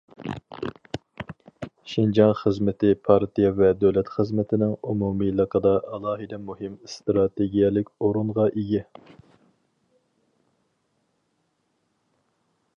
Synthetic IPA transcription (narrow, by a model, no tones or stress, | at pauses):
ʃind͡ʒɑŋχəzmɪt̪ɪpʰɑɾt̪ijɑvɛd̪øwlɛt̪χəzmɪt̪ʰɪnɪŋumumilˠəqʰəd̪ɑʔɑlˠɑːɦɨd̪ɛmuɦɪmst̪ɾɑt̪ʰeɡʲijɛlɪkʲoɾunʁɑʔiɡʲi